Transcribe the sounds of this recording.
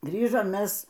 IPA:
ˈɡrʲiːʒoːm ˈmʲɛs

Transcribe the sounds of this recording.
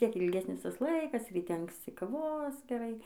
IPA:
ˈʋʲɪs ˈtʲiɛk ɪlʲˈɡʲæːsʲnʲɪs ˈtɐs ˈlˠɐɪkɐs rʲiːˈtʲɛ ɐŋksʲˈt͡sʲɪ kɐˈʋoːs ɡʲɛˈrɐɪ

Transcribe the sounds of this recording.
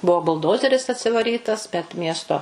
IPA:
ˈbuɔ bʊlˠˈdoːzʲɛrʲɪs ɐtʲsʲɪʋɐˈrʲiːtɐs bʲɛt ˈmʲiɛstoː

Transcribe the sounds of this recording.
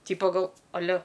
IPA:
ˈtʲiːpɐ ˈɡɐlˠ ɐˈlʲɛ

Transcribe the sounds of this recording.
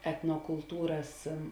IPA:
ɛtnoːkʊlˠˈtuːrɐs

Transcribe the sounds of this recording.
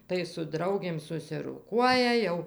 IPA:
tɐɪ sʊ ˈdrɐʊɡʲeːm sʊsʲɪroːˈkuɔjɛ ˈjɛʊ

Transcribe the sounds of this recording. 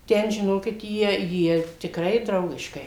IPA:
ˈtʲɛn ʒʲɪˈnoːkʲɪt ˈjiɛ ˈjiɛ tʲɪkˈrɐɪ ˈdrɐʊɡʲɪʃkɐɪ

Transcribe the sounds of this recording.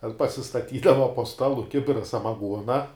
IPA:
tʲɛn pɐsʲɪstɐˈtʲiːdɐʋɐ poː ˈstɑːlˠʊ ˈkʲɪbʲɪrɐ sɐmɐˈɡuɔnɐ

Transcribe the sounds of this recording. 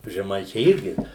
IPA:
ʒʲɛˈmɐɪt͡ʃʲɛɪ ˈɪrʲɡʲɪ

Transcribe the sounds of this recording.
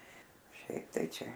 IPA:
ˈʃʲɛɪp tɐɪ ˈt͡ʃʲɛ

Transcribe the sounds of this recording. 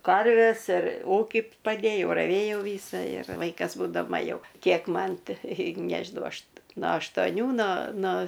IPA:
ˈkɐrʲʋʲɛs ɪr ˈuːkʲɪ pɐˈdʲeːjɛʊ rɐˈʋʲeːjɛʊ ˈʋʲiːsɐ ɪr ˈʋɐɪkɐs buːdɐˈmɐ ˈjɛʊ ˈkʲiɛk ˈmɐn ˈtɐɪ ˈnʲæːʒʲɪnɐʊ ˈɐʃ noː ɐʃtoːˈnʲuː noː noː

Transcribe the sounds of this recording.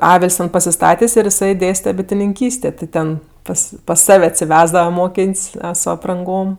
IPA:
ˈɑːʋʲɪlʲsʲ tʲɛn pɐsʲɪˈstɑːtʲeːsʲ ɪr jɪˈsɐɪ ˈdʲeːsʲtʲɛ bʲɪtʲɪnʲɪŋʲˈkʲiːsʲtʲeː tʲɪ ˈtʲɛn ˈpɐs pɐs ˈsɐw ɐtʲsʲɪˈʋʲæːzdɐʋɐ ˈmoːkʲeːnʲsʲ sʊ ɐprɐŋˈɡoːm

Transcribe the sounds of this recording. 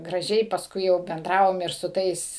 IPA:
ɡrɐˈʒʲɛɪ pɐsˈkʊɪ jɛʊ bʲɛnˈdrɑːʋoːm ɪr sʊ ˈtɐɪs

